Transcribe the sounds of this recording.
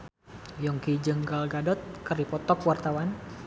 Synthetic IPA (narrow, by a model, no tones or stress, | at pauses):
jɔŋkid͡ʒəŋɡalɡadɔt̪̚kərdipɔt̪ɔkwart̪awan